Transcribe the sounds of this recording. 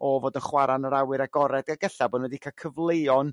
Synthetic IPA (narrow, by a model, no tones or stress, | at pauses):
ɔvoːdənχwaɾanəɾawɨɾaɡɔɾɛdaɡəɬaboːdnwɛdikʰakʰəvlˠejɔn